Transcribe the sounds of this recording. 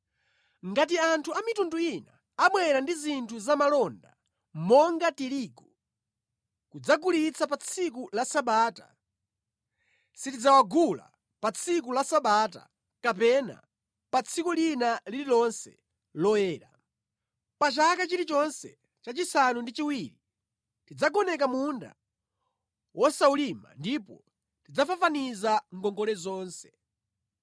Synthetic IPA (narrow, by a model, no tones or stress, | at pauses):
ŋɡat̬iantʰuamitunduina̰ | amwɛɾandizintʰuzamalɔnda̰ | mɔŋɡatiɾiːku | kud͡zaɡulit͡sʰapat͡sʰik̬ulasaɓaːta̰ | sitid͡zawaɡula̰ | pat͡sʰik̬ulasaɓaːta̰ | kapɛna̰ | pat͡sʰikulinalililɔnsɛ | lɔjɛːɾa | pat͡ʃakat͡ʃiɾit͡ʃɔnsɛ̰ | t͡ʃat͡ʃisanundit͡ʃiwiɾi | tid͡zaɡɔnɛkamunda̰ | wɔsaulima̰ndipɔ̰ | tid͡zafafanizaŋ̩ɡɔŋɡɔlɛzɔːnsɛ̥